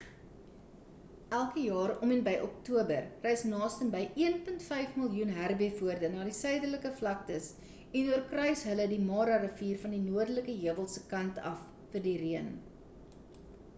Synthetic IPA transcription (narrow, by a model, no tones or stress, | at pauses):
ʔælˠkəjɑːɾɔmɛnbɛjʔɔk̚tuəbərrɛjsnɑːstəmbəjʔiənpəntfɛjfməlˠjunɦærbefuərdənɑːdisœɥdərləkəflɐk̚təs | ɛnuərkrœɥsɦələdimɑːɾɑrəfiːrfɐndinuərdələkəɦiəvəlˠsəkɐntɐ̰fːərdiriən